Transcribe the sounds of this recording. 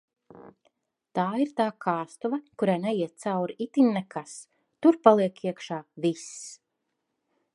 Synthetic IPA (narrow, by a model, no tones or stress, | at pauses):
t̪aːiɾt̪aːkʰaːst̪uvakuɾajnɛjiɛt̪̚t̪sawɾit̪inːɛkʰas | t̪uɾpalˠiɛkiɛkʃaːviss